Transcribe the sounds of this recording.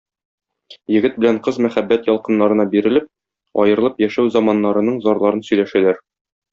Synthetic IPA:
jɘ̆ɡɘt̪̚bɘ̆læɴqɤzmæχæbːæt̪jɒlˠqɤ̆nːɑɾɤ̆nɑbiɾɘ̆lɘp̚ | ɒ̰jɤ̆ɾlˠɤpjæʃæwzɑmɑnːɑɾɤ̆nɤɴzɒɾlˠɑɾɤnsɵ̆jlæʃælæɾ

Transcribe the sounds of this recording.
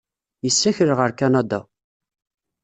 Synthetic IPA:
jəsːæçəɾʁəɾkænɑd̪ɑ

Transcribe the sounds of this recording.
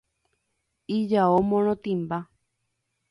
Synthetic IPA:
id͡ʒaomõñõt̪ĩmba

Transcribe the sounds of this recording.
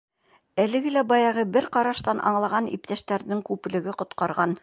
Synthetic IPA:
ælɘ̆ɡɘlæbɑjɑʁɤbɘɾqɑɾɑʃt̪ɑnʔɑ̰ɴlˠɑʁɑnḭp̚t̪æʃt̪æɾnɘŋkʉpɘ̆lɘ̆ɡɘqŏt̪qɑɾʁɑn

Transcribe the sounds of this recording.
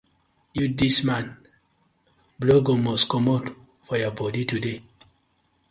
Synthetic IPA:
judismãn | bloɡomɔskɔmɔd | fɔjɔbɔditude

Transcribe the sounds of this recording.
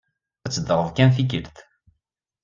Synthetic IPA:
æt͡sːəd̪ɾˤəðˤkænθik̬əlθ

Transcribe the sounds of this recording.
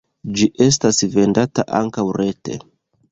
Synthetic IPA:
d͡ʒiʔe̞s̬tasve̞ndata̰ʔa̰ŋkawɾe̞te̞̰

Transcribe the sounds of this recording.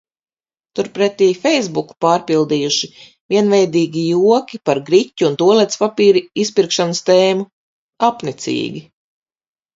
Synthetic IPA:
t̪uɾpɾɛt̪ːiːfɛjzbuku̥paːɾpilˠd̪ijuʃi | vʲiɛnvɛjd̪iːɡʲijuɔkʲipaɾɡɾicʲːuːnt̪uɔlˠɛt̪spapiːɾiispiɾkʃanəst̪ɛːmu | apnit̪sḭːɡʲi

